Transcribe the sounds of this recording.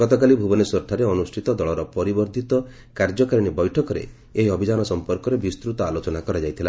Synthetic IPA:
ɡ̥ɔt̪ɔk̬alibʱubɔnesɔɾʈ̪ʰaɾeɔnusʈʰit̪ɔd̪ɔɭɔɾɔpɔɾibɔɾd̪ʱit̪ɔ | kaɾd͡ʒɔkaɾiɽ̃ibɔjʈʰɔkɔɾḛ | eɦiɔbʱid͡ʒanɔsɔmpɔɾkɔɾebist̪ɾut̪ɔalot͡ʃɔnakɔɾad͡ʒajt̪ʰila

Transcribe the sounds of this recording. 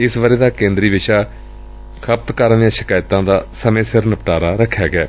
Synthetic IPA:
ɪsʋəɾeːd̪aːkẽːnd̪ɾiːʋɪʃaː | kʰəp̚t̪kəɾnijãːʃɪ̥kaːjt̪ãːd̪aːsəmẽːsɪɾnəpʈaːɾaːɾəkʰːjaːɡɪɛː

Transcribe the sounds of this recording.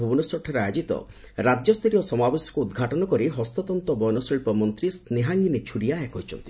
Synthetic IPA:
ubunɔsɔʈʰɔɾajod͡ʒit̪ɔ̰ | ɾad͡ʒɔst̪ɔɾijɔsɔmabesjɔ̥kuud̪ɡʱaʈɔnɔkɔɾiɦɔst̪ɔt̪ɔnt̪ɔbɔjnɔsiɭpɔmɔnt̪ɾisneɦaŋɡinet͡ʃʰuɽiaakɔɦit͡ʃʰɔ̰nt̪i̥

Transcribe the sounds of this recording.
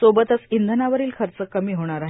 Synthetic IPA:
sobət̪əsind̪ʱənaʋəɾiːlkʰəɾt͡səkːəmiːɦoɽ̃aɾaɦ

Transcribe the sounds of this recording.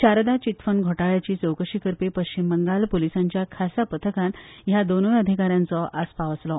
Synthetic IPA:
t͡ɕaɾd̪at͡ɕit̪fənɡʱoʈaɭjat͡ɕiːsəwkəɕikəɾpepəɕt͡ɕimbəŋɡalpolisãɲt͡ɕjakʰasapət̪ʰəkãnjad̪onʋeəd̪ʱikaɾjãnt͡sɔʔʔaspaʋəslɔ

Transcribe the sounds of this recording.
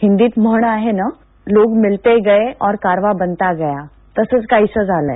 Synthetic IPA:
hind̪iːt̪məɦɳ̃aɦena | loːɡmɪlt̪eɡəeʔɔːɾkaɾʋabənt̪aɡəja | t̪əsət͡skaɦisəd͡zaləɦ

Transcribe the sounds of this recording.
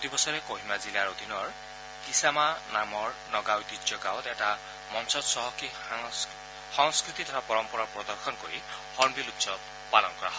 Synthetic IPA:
kɔt̪ibɔsɔɾekoɦimazilaɾod̪ʱinɔɹ | kisamanamɔɹnɔɡawd̪id͡ʒjɔɡawt̪eʈa | mɔnsɔdsɔɦɔki | hɔŋskɾit̪it̪ʰɔt̪ʰapɔɾɔmpɔɾɔpɾɔd̪ɔɾkʰɔnkoɾihɔɾmbilut̪sɔb̚ | palɔnkɔɾaɦɔ

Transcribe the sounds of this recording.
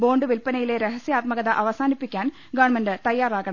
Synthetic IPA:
bo̞ːɳɖɨʋilpɐnɐjile̞ɾeɦɐsjaːt̪mɐɣɐðɐʔɐʋɐsaːnipːikʲːaːn | ɡaːɳmɐndɨt̪ɐjːaːraːɣɐɳɐm

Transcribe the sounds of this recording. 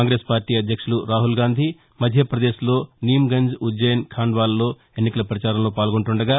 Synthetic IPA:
aːŋɡɾe̞ːspaːɾʈiːɐd̪ʱjɐkʂuluɾaːɦulɡaːnd̪ʱi | mɐd̪ʱjɐpɾɐd̪e̞ːslo̞ːnijmɡɐɲd͡ʒud͡ʒɐjɐnkʰaːɳɖʋaːlːo̞ː | e̞nːikɐlɐpɾɐt͡ʃaːɾɐmloːpaːlɡoɳʈuɳɖɐɡaː

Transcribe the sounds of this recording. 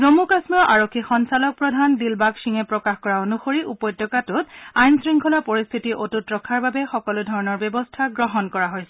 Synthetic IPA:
zomukasmɔʔaɹokʰːixɔnsalɔk̚pɹɔdʱandilbaksiŋɛpɹɔkaxkɔɹaonuxoɹiʔupɔjdjɔkatʊtajnsɹiŋkʰɔlapoɹist̪ʰitiʔotutɹɔkʰaɹbabɛxɔkɔludʱɔɹɔnɔɹbjɔbɔstʰaɡɹɔɦɔnkɔɹaɦojsɛ

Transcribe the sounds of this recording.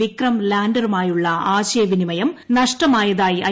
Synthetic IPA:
ikrɐmlaːndɐrumaːjuɭːɐaːɕɐjɐʋinimɐjɐmnɐʂʈɐmaːjɐðaːjiʔɐ

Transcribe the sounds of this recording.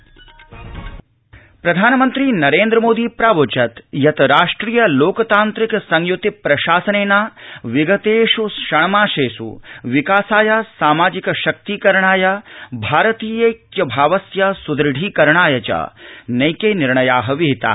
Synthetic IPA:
pɾɐd̪ʱaːnɐmɐnt̪ɾinɐɾeːnd̪ɾɐmoːd̪iːpɾaːʋot͡ʃɐt̪jɐt̪ɐɾaːʂʈɾiːjɐloːkɐt̪aːnt̪ɾikɐsɐŋjut̪ipɾɐʃaːsɐneːnaːʋiɡɐt̪eːʃusʃɐɳ̃ɐmaːʃeːʃṵʋikaːsaːjasaːmaːd͡ʒikɐʃɐk̚t̪ikɐɾɐɳ̃aːjabʱaːɾɐt̪iːjɐkjɐbʱaːʋɐsjɐsud̪ɾɐɖʱiːkɐɾɳaːjɐt͡ʃɐ̰nɐjkeːniɾɳɐjaːɦɐʋiɦit̪a̰ː

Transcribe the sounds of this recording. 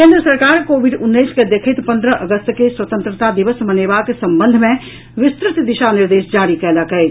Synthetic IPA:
kẽːnd̪ɾəsɐɾkaːɾkoːʋɪɖʊnːəɪsked̪eːkʰət̪pɐ̃nd̪ɾəʔəɡəst̪keswɐt̪ə̃nt̪ɾət̪ad̪ɪʋəsmɐneːʋakesɐ̃mbə̃nd̪ʱmẽ | ʋɪst̪ɾɪt̪d̪ɪʃanɪɾd̪eːsd͡ʒaːɾikɛːlakɐeːt̪

